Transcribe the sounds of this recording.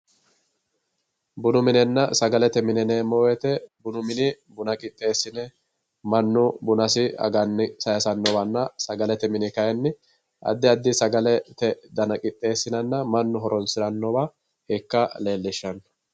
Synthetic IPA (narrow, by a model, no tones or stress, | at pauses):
bʊnʊmɪnɛnːɐsɐɡɐlɛt̪ɛmɪnɛnɛmɔwɛt̪ɛbʊnʊmɪnɪ | bʊnɐkʼɪt̪ʼːe̞ːsːɪnɛ | mɐnːʊbʊnɐsɪɐ̰ɡɐnːɪsɐjɐsɐnːɔbɐnːɐsɐɡɐlɛt̪ɛmɪnɪkɐjɛnːɪ | ʔɐ̰d̪ːɪɐd̪ːɪsɐɡɐlɛt̪ɛd̪ɐnɐkʼɪt̪ʼːe̞ːsːɪnɐnːɐmɐnːʊɦɔɾʔɔnsɪɾɐnːɔbɐ | hɛkːɐle̞ːlːɪʃːɐn